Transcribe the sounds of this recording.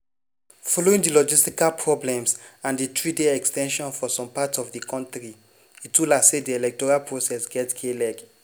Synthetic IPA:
fɔloĩŋdilɔd͡ʒistikalpʰɹɔblɛ̃msãnditɹideɛkstɛ̃nʃɔ̃nfɔsɔ̃mpatɔvdikʰɔ̃ntɹi | itulasediɛlɛk̚tɔɹalpʰɹosɛsɡɛtkʰelɛk

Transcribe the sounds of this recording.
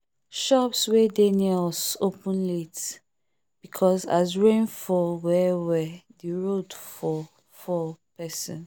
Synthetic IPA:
ʃɔpswɛdenɛlsopə̃nlet | b̥ikʰɔsazɹẽnfɔwɛwɛðiɹodfɔ | fɔpʰɛsɔ̰̃n

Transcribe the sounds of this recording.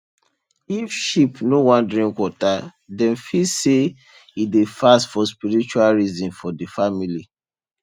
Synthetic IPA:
ifʃipnowɔ̃ndɹĩŋkwɔta | dɛ̃nfise | idefastfɔspiɾit͡ʃualɹizĩnfɔdifamili

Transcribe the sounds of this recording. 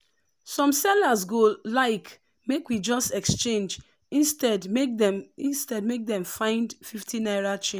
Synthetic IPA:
sɔ̃msɛlasɡolaɪk | mekwid͡ʒɔstɛkst͡ʃẽnd͡ʒ | ĩnstɛdmek̚dɛmĩnstɛd̚mek̚d̪ɛ̃mfãɪ̃ndfiftʰinaɪɹat͡ʃẽ

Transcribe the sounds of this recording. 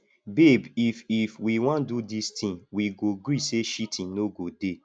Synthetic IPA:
bebififwiwɔ̃ndudistĩnwiɡoɡɾiseʃitʰĩnnoɡode

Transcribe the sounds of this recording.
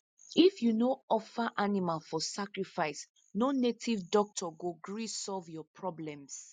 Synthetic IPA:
ifjunoɔfaʔanimalfɔsakɹifaɪs | nonetʰivdɔk̚tʰɔɡuɡɹisɔlvjɔpʰɹɔblɛ̃ms

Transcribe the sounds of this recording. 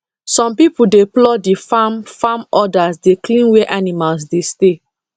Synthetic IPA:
sɔ̃mpipudeplɔdifamfamɔdasdeklĩnwɛʔanimals̬deste

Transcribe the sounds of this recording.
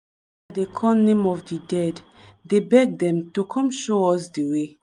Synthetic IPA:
adekʰɔ̃nːẽmɔvdidɛd | debɛɡ̚dɛ̃mtukʰɔ̃mʃoɔsdewe

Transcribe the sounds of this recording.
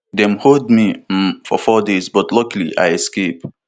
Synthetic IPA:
d̪ɛ̃mholdmifɔfɔdezbʌtlʌkliʔa̰jɛskep̚

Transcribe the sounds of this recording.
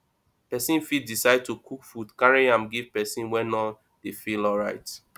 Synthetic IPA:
pɛsĩnfitdisaɪd̚tukʰukfudkaɹĩãmɡiv̥pɛsĩnwɛnɔ | defilɔlɹaɪt

